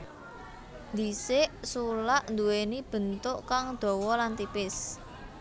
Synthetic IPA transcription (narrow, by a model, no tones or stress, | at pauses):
nd̪isɪʔsulaʔnd̪uwenib̥ə̤nt̪ʊʔkaŋd̪̥ɔ̤wɔlant̪ipɪs